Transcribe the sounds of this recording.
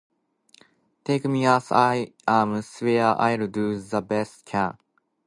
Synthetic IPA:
t̪ʰekmiasaɪãmswɛʔa̰ɪɾɨduzəbɛstkʰæ̃n

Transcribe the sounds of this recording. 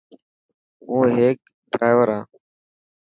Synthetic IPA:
uːɦeːk̚ | ɖɾaːʋəɾaː

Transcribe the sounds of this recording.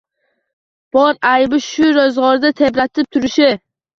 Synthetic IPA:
b̥ɒɾajbɪʃʊɾozʁɒɾd̪at̪ʰe̞bɾat̪ʰɪp̚t̪ʰʊɾɪʃɪ

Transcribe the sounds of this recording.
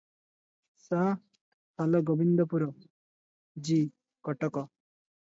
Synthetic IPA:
sa | pʰalɔɡɔbind̪ɔpuɾɔ | d͡ʒi | kɔʈɔkɔ

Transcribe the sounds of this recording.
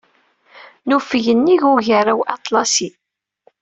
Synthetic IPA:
nufəʝənːiʝʊʝarawʔɑt̪ˤlɑsi

